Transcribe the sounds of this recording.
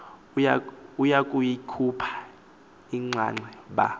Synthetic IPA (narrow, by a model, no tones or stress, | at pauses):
jaujakʼujikʰupʰḁ | iŋ͡ǀʱa̰ŋ͡ǀɛɓa̰